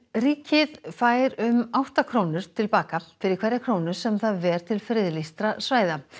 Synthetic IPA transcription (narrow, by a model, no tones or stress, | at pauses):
riːcɪðfaːjɾʏmawht̪akʰɾownʏɾ̥t̪ʰɪlpaːkafɪɾɪɾkʰɛɾjakʰɾoːwnʏ̥sɛmθaðvɛɾ̥t̪ʰɪlfɾɪðlist̪ɾasvaːjða